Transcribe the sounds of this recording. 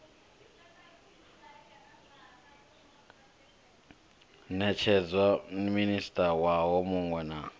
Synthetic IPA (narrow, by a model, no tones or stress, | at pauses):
nɛt͡ʃʰɛd͡zwanministʼawaɦɔmuŋwɛna